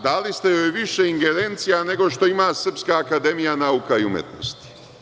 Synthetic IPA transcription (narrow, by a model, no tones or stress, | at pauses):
d̪alist̪ejojʋiʃeiŋɡe̞ɾe̞nt̪sijane̞ɡo̞ʃt̪o̞imaːsr̩pskaːkad̪e̞mijanaukaiumjḛt̪no̞̰st̪i̥